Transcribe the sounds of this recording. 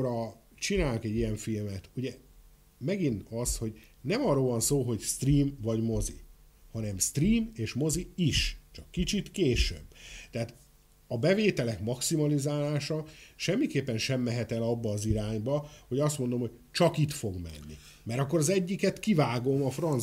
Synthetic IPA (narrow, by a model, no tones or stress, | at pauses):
ɾɒ | t͡ʃinaːlokɛɟːijɛɱfilmɛt̪uɟɛ | mɛɡinɒsho̞ɟ | nɛmɒrːoːvɒnsoːɦo̞ɟst̪riːmvɒɟmo̞zḭ | hɒnɛmst̪riːmeːʃmo̞ziiʃt͡ʃɒkːit͡ʃit̪keːʃø̰bːt̪ɛɦaːt̪ | ɒbɛveːt̪ɛlɛkmɒksimɒlizaːlaːʃɒʃɛmːikeːpːɛnʃɛmːɛɦɛt̪ɛlɒbːɒːziɾaːɲbɒho̞ɟɒst̪mo̞nd̪o̞mho̞ɟ̚ | t͡ʃɒkit̪fo̞ɡmɛ̰nːḭ | mɛɾɒkːoɾɒzɛɟːikɛt̪kivaːɡo̞mɒfrɒn